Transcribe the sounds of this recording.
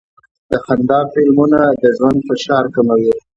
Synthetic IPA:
d̪̥əxand̪ɑfɪlmunad̪əʒwand̪fɪʃɑɾkamawi

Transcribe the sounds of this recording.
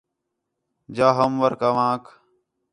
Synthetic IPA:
d͡ʒaːɦəmʋəɾkaːʋãːk

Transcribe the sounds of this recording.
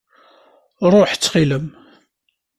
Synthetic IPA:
ɾˤoħt͡sːχiləm

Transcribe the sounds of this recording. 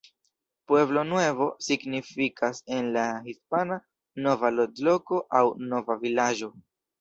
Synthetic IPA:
pwe̞blo̞nwe̞vo̞siɡnifikʰase̞nlaɦispana | no̞valodlo̞ko̞ʔawnovavilad͡ʒo̞

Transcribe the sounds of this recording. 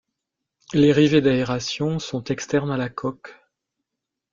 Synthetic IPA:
leʁived̪aeʁasjɔ̃sɔ̃t̪ɛkst̪ɛʁnalakʰɔk

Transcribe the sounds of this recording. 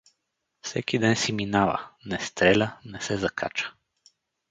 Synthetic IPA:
fsɛkid̪ɛnsiminavə̰nɛst̪ɾɛlʲənɛsɛzɐkʰa̰t͡ʃə̥

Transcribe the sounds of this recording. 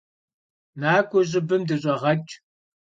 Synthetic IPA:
naːkʷʼʊʑʼɪbɨmdɨɕʼɐʁɐt͡ʃʼ

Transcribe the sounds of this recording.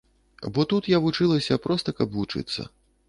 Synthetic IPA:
bɔt̪ut̪javut͡ʂɨlˠɐsʲɐpɾɔst̪ɐkɐbvut͡ʂɨ̰t̪sːɐ̰

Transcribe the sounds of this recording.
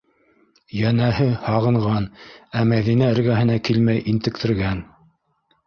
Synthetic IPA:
jænæhɘhɑʁɤ̆ɴʁɑnæmæðinæɘ̆ɾɡæɦɘ̆nækilmæjʔint̪ɘ̆k̚t̪ɘ̆ɾɡæn

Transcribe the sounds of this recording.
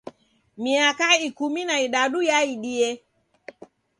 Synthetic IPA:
miakaikuminaiɗaɗujaiɗiɛ

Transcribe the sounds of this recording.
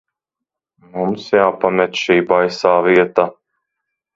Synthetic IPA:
mumsjaːpamʲɛt̪ʃiːbajsaːviɛt̪a

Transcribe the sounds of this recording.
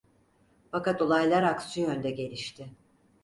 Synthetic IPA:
fakat̪o̞lˠajlˠaɾaksyujønd̪ɛɟe̞lʲiʃt̪ʰɪ

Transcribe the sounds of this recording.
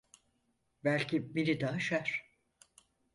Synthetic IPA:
bælʲcʰibinid̪aːʃaɾ̥

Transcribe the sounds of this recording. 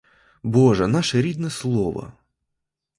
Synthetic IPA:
bɔʐɛnɑʃɛɾʲid̪nɛslˠɔʋɐ̰

